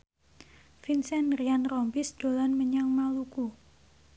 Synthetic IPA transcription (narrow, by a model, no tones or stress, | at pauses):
finsɛnɾianrɔmpɪsd̥o̤lanməɲaŋmaluku